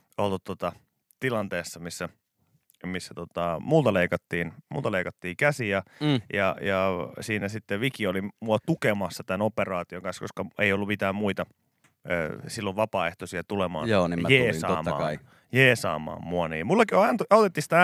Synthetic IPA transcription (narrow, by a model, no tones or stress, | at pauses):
olt̪ut̪t̪ot̪ɑ | t̪ilɑnt̪eːsːɑmisːæ | misːæt̪ot̪ɑmult̪ɑleikɑt̪ːiːnmṵːt̪ɑleikɑt̪ːiːkæsijɑjɑjɑsiːnæsit̪ːeʋikiolimuɑt̪ukemɑsːɑt̪ænoperɑːt̪ioŋkɑnsko̰skɑḛiolːumit̪æːmmuit̪ɑ | ø̰ːsilːoʋʋɑpɑːeht̪osiɑt̪ulemɑ̰ːnoːnimjeːssɑːmːɑ̰ːɑi | jeːsɑ̰ːmɑ̰ːmmuɑnḭːmulːɑkioɑnt̪oɑot̪et̪ːisi̥t̪æ